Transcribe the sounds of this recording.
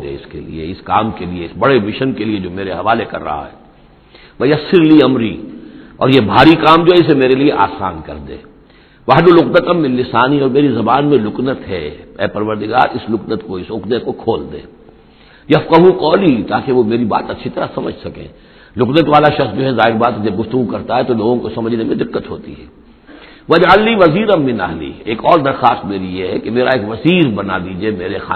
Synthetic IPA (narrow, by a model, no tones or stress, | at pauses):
d̪ḛːɪskḛlḭḛɪskaːmkelieɪsbɐɽemɪʃənkelied͡ʒoːmeːɾeɦɐʋaːlekɐ̰ɾːɐ̰ɦa̰ɦɛ̰ː | ʋɐjɐsɪɾliɐmɾḭɔ̰ːɾjebʱaːɾikaːmd͡ʒoːɦɛɪs̬emeːɾelieʔa̰ːsaːnkɐ̰ɾd̪ḛ̃ː | ʋɐɦd̪olʊknət̪ɐmːɪlːɪsaːniɔːɾmeːɾizɐbaːnmẽlʊknət̪ɦɛ̰ɛ̰ːpɐɾʋəɾd̪ɪɡa̰ːɾɪslʊknət̪koɪsʊkd̪əkokʰoːld̪ḛ̃ː | jɐfqəɦuqɔːlit̪aːkeʋomeːɾiba̰ːt̪ɐtːʃʰit̪ɐɾasɐmə̰d͡ʒʱsɐkḛ̃ː | lʊknət̪ʋaːlaʃɐxsd͡ʒoːɦɛzaːɦɪɾbaːt̪d͡ʒɐb̚ɡʊft̪ʊɡukɐɾt̪aɦɛt̪oloːɡõkosɐməd͡ʒʱnemẽd̪ɪqːət̪ɦo̰ːt̪ḭɦɛː | ʋɐd͡ʒəlːiːʋɐziːɾɐmːɪna̰ɦlḭːeːkɔːɾd̪ɐɾxaːst̪meːɾijeɦɛkemeːɾaeːkʋɐsiːɾbɐna̰d̪iːd͡ʒiemeːɾexa̰ː